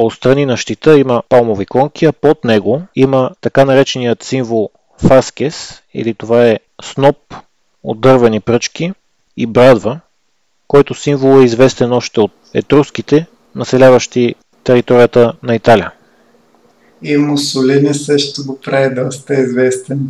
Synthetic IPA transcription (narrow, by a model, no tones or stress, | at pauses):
ot̪st̪ɾɐninɐʃt̪it̪əiməpalˠmovikɔŋk̟ʲiɐpot̪nɛɡoimət̪ɐkanɐɾɛt͡ʃɛnijət̪siɱvolˠ | faskɛsḭlit̪ovaɛ | snɔp̚ | o̰d̪ɤɾvɛnipɾɤt͡ʃki | ibɾad̪və | kɔjt̪osiɱvolˠɛizvɛst̪ɛnɔʃt̪ɛot̪̚ɛ̰t̪ɾuskit̪ɛ | nɐsɛlʲavəʃt̪i | t̪ɛɾit̪ɔɾijət̪ənɐit̪aliə | imʊsolinisəʃt̪oɡopɾaɛd̪ɔst̪əizvɛst̪ɛn